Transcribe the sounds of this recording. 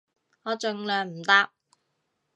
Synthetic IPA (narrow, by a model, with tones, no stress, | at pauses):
ŋɔː˨˧t͡ʃɵ˨ŋlœː˨˩ŋm̩˨˩t̪a˥k̚